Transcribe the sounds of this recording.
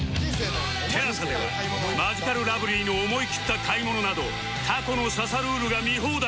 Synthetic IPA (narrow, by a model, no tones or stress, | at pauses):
t̪ʰeɾasad̪eβa̰ | maʑikaɾɯ̟ɾabɯ̟ɾʲiːnoːmo̞ikʲi̥t̪ːakʰaimo̞no̞nad̪o̞ | t̪ʰako̞no̞sasaɾɯːɾɯ̟ɡamʲiɦoːd̪a